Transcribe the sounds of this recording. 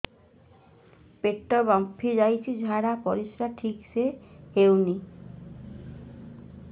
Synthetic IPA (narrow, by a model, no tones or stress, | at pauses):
peʈːɔbɔmpʰːid͡ʒajt͡ʃʰid͡ʑʱaɾapɔɾiʃɾaʈʰiksehewni